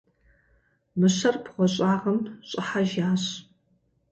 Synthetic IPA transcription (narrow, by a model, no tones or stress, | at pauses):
mɨɕɐrpʰʁʷɔɕʼaːʁɐmɕʼɐħaʒaːɕ